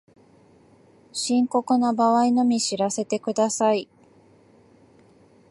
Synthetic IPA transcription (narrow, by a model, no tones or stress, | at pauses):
ɕĩŋko̞kɯ̟nabaβaino̞mʲiɕiɾase̞t̪e̞kɯ̟d̪asai